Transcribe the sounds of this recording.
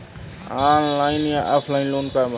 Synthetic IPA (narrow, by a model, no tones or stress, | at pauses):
aːnlaːɪnjaːʔaːpʰlaːinloːnkaːb